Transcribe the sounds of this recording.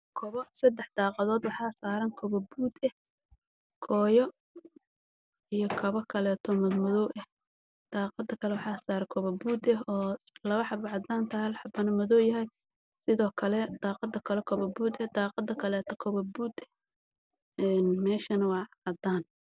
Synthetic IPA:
kʰɔβɔsɐd̪ɛħd̪̥ɑːqɑðɔːd̪wɑħɑːsaːɾɐŋkʰɔβɐbuːd̪ɛh | kʰɔːjɔ | ijɔkʰɐβɐkʰɐlɛːt̪ʰɔmɐdmʊðɔwʔɛh | d̪̥aːqɑd̪ɐkʰɐlɛwɑħɑːsaːɾɐkʰɔβɐbuːd̪ɛɦɔːlɐβɐħɑbɐʕɑd̪aːnt̪ʰɐhɐlħɑbɐnɐmʊðɔːjɐɦɛj | sɪðɔːkʰɐlɛd̪̥ɑːqɑd̪ɐkʰɐlɛkʰɔβɐbuːd̪ɛhd̪ɑːqɑd̪ɐkʰɐlɛːt̪ʰɔkʰɔβɐbuːd̪ɛ | ɛːnmɛːʃɐnɐwɑːʕɑd̪aːn

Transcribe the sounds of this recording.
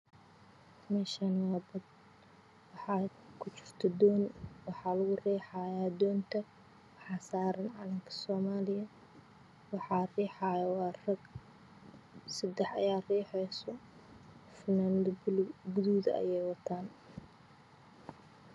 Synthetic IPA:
mɛːʃaːnwɑːbɐd̪̚ | wɑħɑː | kʰʊt͡ʃɪrt̪ʰɐd̪ɔːnwɑħɑːlɐɣʊrɛːħɑːjaːd̪ɔːnt̪ʰɐ | wɑħɑːsaːɾɐnʕɑlɐŋkʰɐ̥sɔːmaːlɪjɐ | wɑħɑːrɛːħaːjɐwɑːrɐɡ | sɐd̪ɛħɐ̰jaːrɛːħɛjsɔ | fɪnand̪ɐɡʊðuːðɐ̰ʔɐ̰jɛjwɐt̪ʰaːn

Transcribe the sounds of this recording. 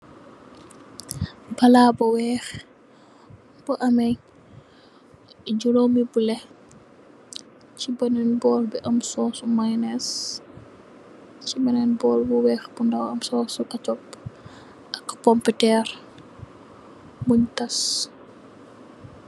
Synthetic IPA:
bɐlaːbɔwɛːx | b̥ɔʔɐmɛj | d͡ʒulomibulɛ | cibɐnɛnbɔːlbɛʔɐmsɔːsumajnɛs | cibɐnɛnbɔːlbuwɛːxbundɐwɐmsɔːsukɐt͡ʃɔp̚ | ʔɐkːpɔmpɛtɛːr | muɲkɐs

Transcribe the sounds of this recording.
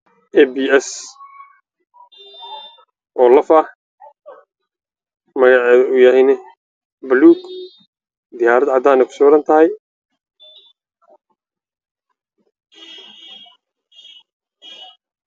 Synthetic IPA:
ʔɛbiɛs | ʔɔːlɐfɐ | mɐɣɑʕɛðɐʊjɐhɛjnɛ | bluːɡ | d̪ɪjaːɾɐd̪ʕɑd̪aːnɛkʰʊ̥sɔːɾɐnt̪ʰɐhɛj

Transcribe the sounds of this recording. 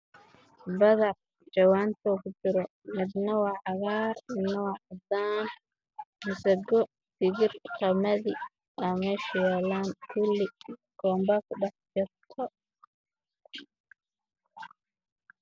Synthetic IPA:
bɐðɐ | t͡ʃɐwaːnt̪ʰɔkʊd͡ʒɪɾɔ | mɪd̪nɐwɑʕɑɣaːrmɪd̪nɐwɑʕd̪aːn | mɪsɐɡɔ | sɪɣɪrqɑmɐði | ʔɐmɛʃjɛlaːnkʰʊlɪ | ɡ̥ɔːmbɐkʰʊɖɑħd͡ʒɐt̪ʰɔ

